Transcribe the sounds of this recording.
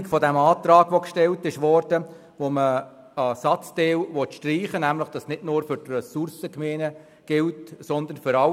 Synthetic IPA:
kfɔdɛmɑːt̪ɾɑːɡʋokʃtɛltɪʃʋɔɾd̥ə | ʋomə | ɑsɑt͡sd̥eːwʋɔt̪ʃtriːχənæmləχd̥ɑsnɪdnʊːɾfʏɾtrɛsʊrsəkmeːnə | ɡ̥ɪltsɔnd̪ənfʏɾɑ

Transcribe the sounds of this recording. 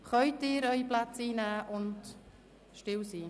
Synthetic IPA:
χœʏtɪːɾœʏiplat͡siːnæːʔʊnt | ʃtɪwsiː

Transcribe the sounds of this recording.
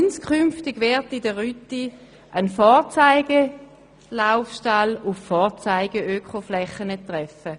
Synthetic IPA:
nskʰχymftɪɡʋɛɐtidəʁyti | ʔənfɔːt͡saɪɡe | laʊfʃtalufːɔːʁt͡saɪɡəøkχoflɛχənətʁɛfə

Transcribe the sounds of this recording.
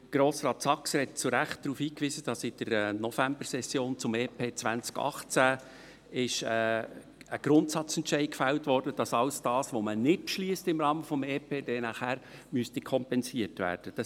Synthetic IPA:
ɡ̥ɾoːsɾɑːt̪sɑksəhɛt̚t͡suɾæχt̚d̥̪ɾuːfiːkʋisəd̥ɑsɪd̥əɾnɔfæmbəɾsɛsːjoːnt͡sʊmeːpʰeːt͡sʋænt͡skɑ̰χt͡sæ | ɪʃɛ | əɡ̥ɾʊntsɑt͡sɛntʃɛɪdkfæltʋɔrdəd̥ɑsɑlsd̥ɑːsʋomənɪt̚pʃliəstɪmɾɑːməfɔmeːpʰeːd̥ɛnæχhæːɾmyəstikʰɔmpɛnsiətʋæ̰ːɾd̥əd̥ɑ

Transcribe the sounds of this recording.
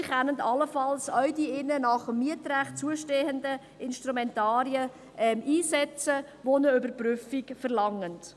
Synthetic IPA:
ɪχanəntɑləfɑlsœɥdiɪnənɑχəmːiətɾæχtt͡suəʃteːəndə | ɪnʃtɾumɛntɑːɾiə | ʔɛmiːsɛt͡sə | ʋonəʏbəɾpɾʏfikfəɾlɑŋənt

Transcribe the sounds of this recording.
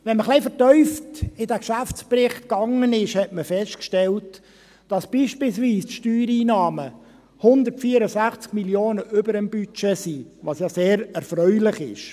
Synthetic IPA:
ʋɛnməχlɛɪfətœʏftɪdæːkʃæft͡sprɪχtkɑŋənɪʃhɛtməfɛstkʃtɛlt | d̥ɑsb̥iːʃpɪlsʋiːstʃtyːɾiːnɑːmə | hʊnd̪əɾtfiːəɾəsæχt͡skmiljoːnəʔʏbəɾəmbyt͡ʃesiʋɑsjɑseːɾɛɾfɾœʏlɪχɪ̰ʃ

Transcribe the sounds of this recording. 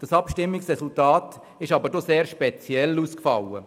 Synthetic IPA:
d̥ɑsɑpʃtɪmːɪksʁɛsultaːt | ɪʃɑbəɾdɔseːɾʃpet͡sjɛlːuskfɑ̰lːə

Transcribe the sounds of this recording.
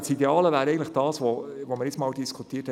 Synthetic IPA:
sideɑːləvæːɾɛɪɡntləχd̥ɑːsʋɔvoməɾɪt͡smɑːldiskʰut̪iːəthɛ

